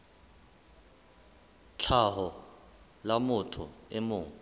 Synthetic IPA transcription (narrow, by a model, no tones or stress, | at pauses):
t͡ɬʰaɦɔ | lamʊtʰʊ̰ɛmʊːŋ